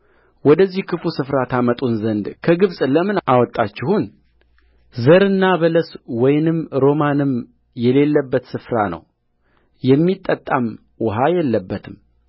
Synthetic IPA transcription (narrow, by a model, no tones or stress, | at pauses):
wɔd̪əzːihkʰɨfusɨfɾat̪ʰamət̪ʼunzənd̪kʰəɡɨβsʼləmɨnʔawɔt̪ʼːat͡ʃːɪhun | zəɾɨnːaβələswɔjnɨmɾo̞manɨm | jɛle̞lːəbːət̪sɨfɾanə̰w | jɛmːit̪ʼːət̪ʼːam | wɔɦajɛlːəbːət̪ʰɨm